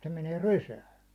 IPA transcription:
se meneː rysæːn̞

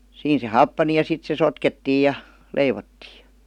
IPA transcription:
siːn se hɑpːɑni jɑ sit se sotketːiːj̆ jɑ leiʋotːiː

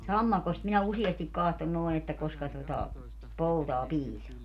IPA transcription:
sɑmːɑkost minæ usiestik kɑhton noi̯ etːæ koskɑ totɑ poutɑː piːsɑː

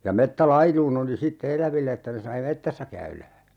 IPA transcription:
jɑ metːælɑiluːn oli sitːe elæʋilːe etːæ sɑi metːæsːæ kæylæ

